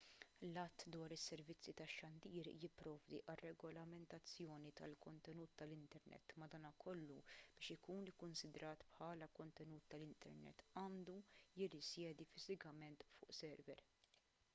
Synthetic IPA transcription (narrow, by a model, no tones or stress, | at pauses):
lɐt̪ːd̪wɐːɾɪsːɛɾvɪt͡sːjit̪ɐʃːɐnd̪iːɾjɪpːɾɔːvd̪ḭʔɐrːɛɡɔlɐmɛnt̪ɐt͡sːjɔːnit̪ɐ̰lkɔnt̪ɛnuːt̪ːɐlɪnt̪ɛɾnʔɛ̰t̪ːmɐd̪ɐːnɐkɔlːub̥ɪːʃɪkuːnɪkːʊnsɪd̪ɾɐːt̪pħɐːlɐkɔnt̪ɛnuːt̪ːɐlɪnt̪ɛ̰ɾnɛ̰t̪ːɐːnd̪ujɪrɪsjɛːd̪ifɪzɪkɐmɛnt̪fʊ̰ːʔsɛɾvɛɾ